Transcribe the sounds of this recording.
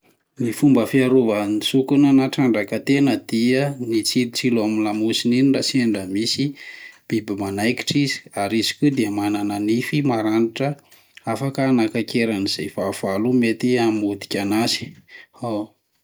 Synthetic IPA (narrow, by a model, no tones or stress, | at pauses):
mifumbəfiaɾuvanisukunənaʈ͡ʂaɳɖ͡ʐakət̪enəd̪̥iənit͡siɾit͡silamilamusininiraseɳɖ͡ʐəmisib̥ibimanajki̥ʈ͡ʂizi̥aɾizi̥kʲud̪iəmanananifimaɾaniʈ͡ʂə | afakəːnakakeɾaniz̥ejfav̥alumet̪iamud̪i̥kʲanazi̥a